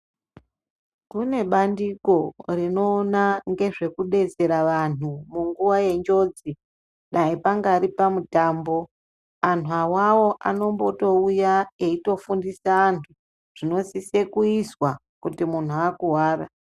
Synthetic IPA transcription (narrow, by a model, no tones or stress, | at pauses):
kune̞ɓandiko̞rino̞ːnaŋɡe̞ʐe̞kuɗe̞d͡ze̞ɾaʋan̤umuŋɡuʋaje̞nd͡ʒo̞d͡zi | ɗaipaŋɡaɾipamutaːmbo̞ | an̤uawawo̞ʔa̰no̞mbo̞to̞ujae̞ito̞fundisaːntʰu | ʐ̥ino̞sisekuizwa | kutimun̤uakuɦwaːra